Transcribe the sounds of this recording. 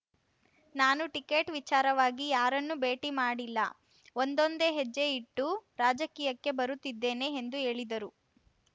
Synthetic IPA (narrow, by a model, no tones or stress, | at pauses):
naːnuʈike̞ːʈʋit͡ʃaːɾɐʋaːɡijaːɾɐnːube̞ːʈimaːɽilːɐ̰ | ond̪o̞nd̪e̞ːɦed͡ʒːeiʈːuɾaːd͡ʒɐkiːjɐkːe̞bɐɾut̪ːid̪ːe̞ːne̞ːnd̪ue̞ːɭid̪ɐɾu